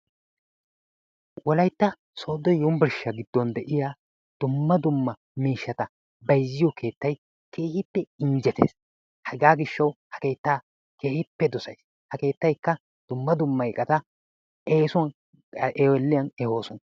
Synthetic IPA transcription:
wɔlɐjt̪ːɐ | so̞ːd̪ɔjjʊmbɪɾʃːɐɡɪd̪ːɔnd̪ɛʔɪjaː | d̪̥ʊmːɐd̪ʊmːɐ | miːʃːɐt̪ɐ | bɐjzːɪjɔkʰe̞ːt̪ːɐj | kʰe̞ːhɪpːɛɪɲd͡ʒɛt̪ḛːs | hɐɡaːɡɪʃːɐwhɐ̥ke̞ːt̪ːaː | kʰe̞ːhɪpːɛd̪ɔsɐjs | hɐke̞ːt̪ːɐjkːɐ | d̪̥ʊmːɐd̪ʊmːɐjkʼːɐt̪ɐ | eːsʊ | ʔeːwɛlːɪjɐnɛho̞ːsɔnɐ

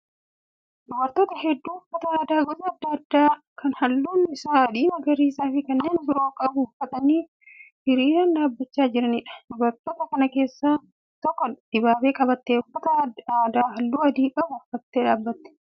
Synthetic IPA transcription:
d̪ʊbɐɾt̪oːt̪ɐɦɛd̪ːuːʊfːɐt̪ɐaːd̪aːɡɔzɐɐd̪ːɐɐd̪ːaː | kʰɐnhɐlːuːnɪsaːɐd̪iːmɐɡɐɾiːsaːfɪkɐnːe̞ːnbɪɾo̞ːkʼɐbʊʊfːɐt̪ɐniː | hɪɾiːɾɐnᶑaːbːɐt͡ʃːaːd͡ʒɪɾɐnɪᶑɐ̥dʊbɐɾt̪oːt̪ɐkɐnɐke̞ːsːaː | t̪ɔkːɔd̪̥ɪbaːbe̞ːkʼɐbɐt̪ːeːʊfːɐt̪ɐaːd̪aːɦɐlːuːɐd̪iːbɐbʊfːɐt̪ːeːᶑaːbːɐt̪ːɛ̥

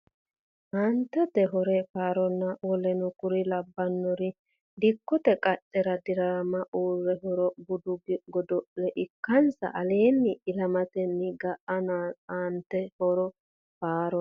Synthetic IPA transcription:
haːnt̪ːɛt̪ɛɦɔɾɛfaːɾɔnːɐɔlɛnʊkʊɾɪlɐbːɐnːɔɾɪ | d̪ɪkːɔt̪ɛkʼɐtʼːɛɾɐd̪ɪɾaːmɐʔuːɾːɛɦɔɾɔbʊd̪ʊɡɡɔd̪ɔʔlɛʔɪkːɐnsɐ̰ʔɐle̞ːnːɪɪlɐmɐt̪ɛnːɪɡɐʔɐnaaːnt̪ːɛhɔɾɔ | faːɾɔ

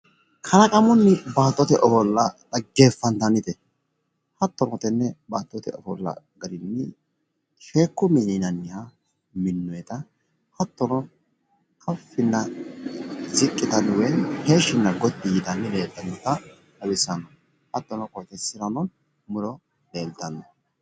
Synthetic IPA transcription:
kʰɐlɐkʼɐmɔnːɪbaːt̪ʼːɔt̪ɛʔɔfɔlːɐɾɐɡeːfːɐnt̪ɐnːɪt̪ɛ | hɐt̪ːɔnɔt̪ɛnːɛbaːt̪ʼːɔt̪ɛ̰ɔfɔlːɐ̰ | ɡɐɾɪnːɪ | ʃeːkːʊmɪnɪnɐnːɪja | mɪnːɔjɛt̪ɐ | hɐt̪ːɔnɔ | kʰɐfːɪnːɐ | zɪkʼːɪt̪ɐnwjɛnheːʃːɪnːɐɡɔt̪ːɪjɪd̪ɐnːɪleːld̪ɐnɔt̪ːɐ | ɐbɪsːɐnːɔ | hɐt̪ːɔnɔkʼɔt̪ːɛsːɪɾɐnɔn | mʊɾɔ | leːlt̪ːɐnːɔ

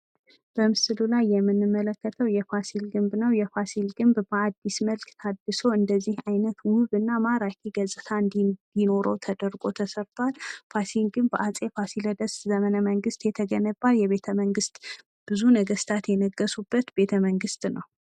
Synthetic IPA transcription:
b̥əmɨsɨlulajːɛmːɨnːɨmːələkːət̪ʰəwjɛfasilɡɨmbnəwjɛfasilɡɨmbbəad̪ːisməlkt̪ʰad̪ːɨso̞ɨnd̪əzːihajnət̪wʊβɨnːamaɾakʰiɡəzʼɨt̪ʰaɨnd̪id̪̥ino̞ɾəwt̪ʰəd̪əɾɡʼo̞t̪ʰəsəɾt̪ʰwalfasiŋɡɨmbəʔat͡sʼefasiləd̪əszəmənəməŋɡɨst̪jɛt̪ʰəɡənəbːaljɛβe̞t̪ʰəməŋɡɨst̪ | b̥ɨzunəɡəst̪ʰat̪jɛnəɡːəsubːət̪be̞t̪ʰəməŋɡɨst̪nəw

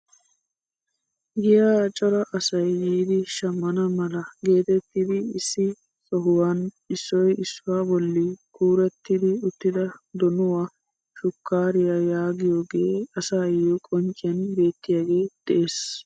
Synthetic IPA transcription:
ɡɪjaːt͡ʃʼɔɾɐʔɐsɐjjiːd̪ɪʃɐmːɐnɐmɐlɐɡe̞ːt̪ɛt̪ːid̪ɪɪsːɪ | sɔɦʊwan | ɪsːɔjɪsːʊwaːbɔlːɪkʰuːɾɛt̪ːɪd̪ɪʊt̪ːɪd̪ɐd̪ɔnʊwaː | ʃʊkːaːɾɪjajaːɡɪjoːɡe̞ːɐsaːjɔkʼɔnt͡ʃʼːɪjɐnbe̞ːt̪ːɪjaːɡe̞ːd̪̥ɛʔeːs

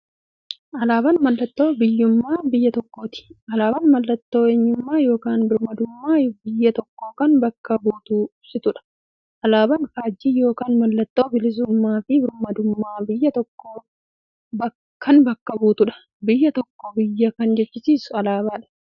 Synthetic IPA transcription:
ʔɐlaːbɐnmɐlːɐt̪ːo̞ːbɪjːʊmːaːbɪjːɐt̪ɔkːo̞ːt̪ɪ̥ʔɐlaːbɐnmɐlːɐt̪ːo̞ːeːɲːʊmːaːjo̞ːkaːnbɪɾmɐd̪ʊmːaːbɪjːɐt̪ɔkːo̞ːkɐnbɐkːɐbuːt̪ʊsɪt̪ʊᶑɐ̥ | ʔɐlaːbɐnfaːd͡ʒːiːjo̞ːkaːnmɐlːɐt̪ːo̞ːbɪlɪs̬ʊmːaːfɪbɪɾmɐd̪ʊmːaːbɪjːɐt̪ɔkːoː | bɐ | kɐnbɐkːɐbuːt̪ʊᶑɐ̥ | bɪjːɐt̪ɔkːoːbɪjːɐkɐnd͡ʒɛt͡ʃːɪsiːsʊɐlaːbaːᶑɐ̥

